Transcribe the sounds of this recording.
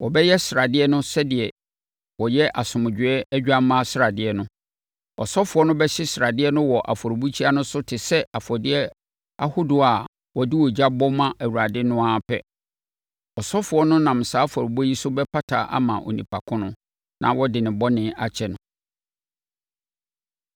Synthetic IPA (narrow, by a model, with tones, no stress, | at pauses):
wɔ˨bɛ˦jɛ˦sɪ˨ɾa˨dɪ˦ɛ˦nʊ̃˦sɛ˦dɪ˨ɛ˨ | wɔ˨jɛ˦ʔa˨sʊ̃˨mʊ̃˨d͡ʑᶣɪ˨ɛ˦ɛ˦d͡ʑᶣa˦mã˦sɪ˦ɾa˨dɪ˦ɛ˦nʊ̃˦ | ɔ̰˨sɔ˦fʊ˨˦ɔ˦nʊ̃˦bɛ˦ɕɪ˦sɾa˨dɪ˦ɛ˦nʊ̃˦wɔ˨ʔa̰˨fɔ˨ɾbu˦t͡ɕʰi˦a˦nʊ̃˦sʊ˦tʰɪ˨sɛ˦a˨fɔ˨dɪ˦ɛ˦ | a˦hʊ˦dʊ˨a˨ | wɔ˨dɪ˦wɔ˨d͡ʑa˦bɔ˦mã˦ʔæ˨wu˨ɾa˨dɪ˦nʊ̃˦a˦˨pʰɛ̰˦ | ɔ˨sɔ˦fʊ˨ɔ˦nʊ̃˦nã˨m˨saː˨˦fɔ˨ɾbɔ˦ji˦sʊ˦bɛ˦pʰa˦tʰa̰˨˦ʔa̰˦mã̰˨ʔo̰˨nḭ̃˨pʰa˨kʰʊ̃˦nʊ̃˦ | nʔã̰˨wɔ˦dɪ˨nɪ̃˨bɔ˦nɪ̃˦a˦t͡ɕʰɛ˨nʊ̃˨